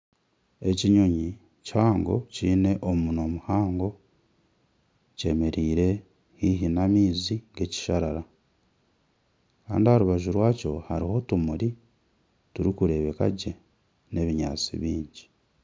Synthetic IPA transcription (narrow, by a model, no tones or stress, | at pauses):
e̞ciɲoɲi | caːŋɡo̞̰ciːne̞ʔomuno̞muhaːŋɡo̞ | ce̞me̞ɾiːɾe̞ | hiɦinamiːziɡe̞ci̥ʃaɾaɾa | kaːndihaɾuβaʒuɾwaːco̞haɾiho̞tumuɾi | tuɾikuɾe̞βe̞ka̰ɟe̞ | ne̞βiɲa̰ːt͡sḭβiːɲɟi